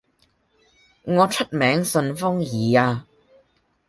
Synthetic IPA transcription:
ŋɔː˨˧t͡ʃʰə˥t̚mɛː˨˥ŋsɵ˧nfʊ˥ŋjiː˨˧aː˧

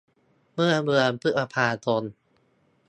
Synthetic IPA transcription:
mɯ˥˩ɐmɯ˧ənpʰɯ˦˥ʔa˧pʰaː˧t̪o˧n

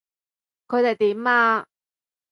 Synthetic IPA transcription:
kʰɵ˨˧jt̪e˨˩jt̪iː˨˦˥maː˧

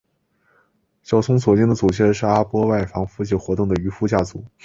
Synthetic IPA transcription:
t͡ɕjɑ˥˩ʊsʰʊ˥ŋswɔ˨˩t͡ɕjɛ˥nd̪ə˨t͡su˨˩ɕʰjɛ˥˧nʂɻ̩˥˩a˥pwɔ˥wa˥˩ɪfɑ˧˥ŋfu˥t͡ɕi˥˩xwɔ˧˥t̪ʊ˥˩ŋd̪ə˩y˧˥fu˥t͡ɕja˥˩t͡su˨˩˦

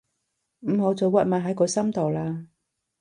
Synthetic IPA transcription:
m̩˨˩ho˨˥wt͡soː˨˧wa˧˩maː˨˩ɦɐ˨˥jkɔː˨˧sɐ˥mt̪o˨˩wlaː˧

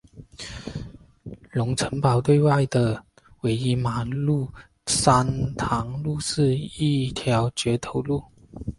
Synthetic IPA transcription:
lʊ˧˥ŋt͡sʰə˧˥ŋpɑ˨˩ʊt̪we˥˧ɪwa˥˩ɪd̪ə˩ | we˧˥ɪi˧˥ma˨˩lu˥˩ | sa˥nt̪ʰɑ˧˥ŋlu˥˧ʂɻ̩˥˧i˥˧t̪ʰjɑ˧˥ʊt͡ɕɥɛ˧˥t̪ʰo˧˥ʊlu˥˩

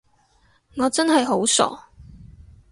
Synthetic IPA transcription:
ŋɔː˨˧t͡sɐ˥nɦɐ˨jɦo˨˥wsɔ̰ː˨˩

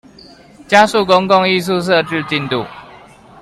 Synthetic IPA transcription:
t͡ɕja˦su˥˨ko˦ŋko˥˨ŋi˥˨s̬u˥˧˨s̬ɤ˥˧ʈ͡ʂɻ̩˥˧t͡ɕi˥˨nt̪ṵ˥˨

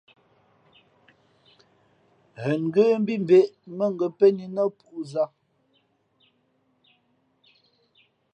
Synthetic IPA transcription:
ɣə˨ŋ˨ɡə˦m̩˦bi˦m˨be˨ʔmə˦˨ŋ˨ɡə˨pɛ˦ni˨nɔ˦pu˨za˦˨

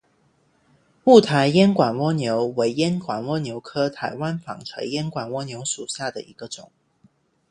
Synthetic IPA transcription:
mu˥˩t̪ʰa˧˥˦ɪjɛ˥nkwa˨˩nwɔ˥njo˧˥ʊwe˧˥ɪjɛ˥nkwa˨˩nwɔ˥njo˧˥ʊkʰɤ˥t̪ʰa˧˥ɪwa˦nfɑ̰˨˩ŋʈ͡ʂʰɤ̰˧˥˦jɛ˥nkwa˨˩nwɔ˥njo˧˥ʊʂu˨˩ɕja˥˩d̪ə˩ʔi˧˥ɡ̥ə˧ʈ͡ʂʊ˨˩˦ŋ

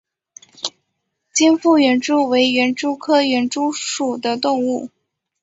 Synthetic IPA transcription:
t͡ɕi˥nfu˥˩ɥɛ˧˥nʈ͡ʂu˥we˧˥ɪɥɛ˧˥nʈ͡ʂu˥kʰɤ˥ɥɛ˧˥nʈ͡ʂu˥ʂu˨˩d̪ə˦t̪ʊ˥˧ŋu˥˩

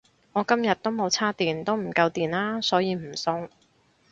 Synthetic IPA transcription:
ŋɔː˨˧kɐ˥mjɐ˨t̚t̪o˥wmo˨˧wt͡sʰaː˥t̪iː˨˩nt̪o˥wm̩˨˩kɐ˧wt̪iː˨nlaː˥sɔː˨˥jiː˨˧m̩˨˩sʊ˧ŋ

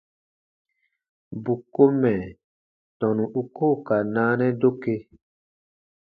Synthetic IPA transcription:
bu˨ko˦mɛ̃˨ | tɔ̃˨nũ˨ʔu˦ko˦˨ka˨nãː˦nɛ̃˦do˦ke˦

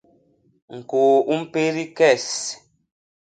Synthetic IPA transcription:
ŋ̩˨ko˨u˦m̩˦pe˦ɾi˦kɛ˦˨s

